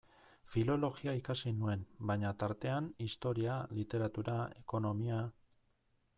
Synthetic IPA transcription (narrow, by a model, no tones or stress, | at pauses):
filo̞lo̞ɣiaikasinue̞nbaɲat̪aɾt̪e̞anist̪o̞ɾialit̪e̞ɾat̪uɾae̞̰ko̞no̞mia